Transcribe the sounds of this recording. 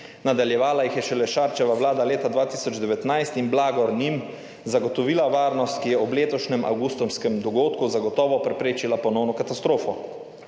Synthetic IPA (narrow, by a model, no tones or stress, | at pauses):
nad̪aljɛʋaːlajixjɛʃɛlɛʃaɾt͡ʃɛʋaʋlaːd̪aleːt̪ad̪ʋaːt̪isɔd͡ʒd̪ɛʋɛt̪najst̪inblaːɡɔɾnim | zaɡɔt̪ɔʋiːlaʋaːɾnɔst̪kijɛɔbleːt̪ɔʃnɛmʔa̰wɡust̪ɔmskɛmd̪ɔɡoːt̪kuzaɡɔt̪ɔːʋɔpɾɛpɾeːt͡ʃilapɔnɔwnɔkat̪ast̪ɾoːfɔ